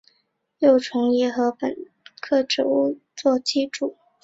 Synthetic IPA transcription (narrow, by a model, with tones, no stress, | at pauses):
jo˥˩ʊʈ͡ʂʰʊ˧˥ŋi˧˥xɤ˧˥pə̰˨˩n | kʰɤ˥˩ʈ͡ʂɻ̩˨˩u˥˧ | t͡swɔ˥˧t͡ɕi˥˧ʈ͡ʂu˨˩˦